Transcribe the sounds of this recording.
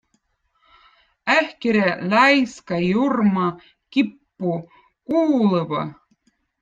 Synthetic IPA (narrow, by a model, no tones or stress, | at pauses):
æhkeɾʲælʲɑjskɑjurmɑ | kipːu | kuːlˠɤβɑ̰